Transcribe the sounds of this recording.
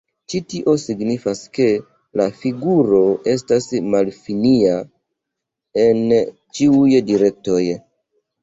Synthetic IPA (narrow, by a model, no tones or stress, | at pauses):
t͡ʃitiʔo̞siɡnifaske̞ | lafiɡuɾo̞e̞s̬tasmalfinia | en | t͡ʃiujdiɾe̞k̚to̞j